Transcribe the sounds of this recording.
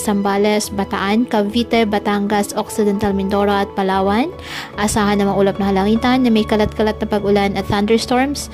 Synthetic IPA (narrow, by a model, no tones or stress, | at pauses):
sɐmbaːlɛsbɐt̪ɐʔankɐvit̪ɛbɐt̪aŋɡɐsok̚sɪd̪ɛnt̪almɪnd̪oɾɐɐt̪̚pɐlaːwɐn | ʔɐsaːhɐnːɐmɐʔuːlɐp̚nɐhɐlɐŋiːt̪ɐnːɐmɐjkɐlat̪̚kɐlat̪̚nɐpɐɡʊlanɐt̪̚θɐnd̪ɛɹst̪oɹms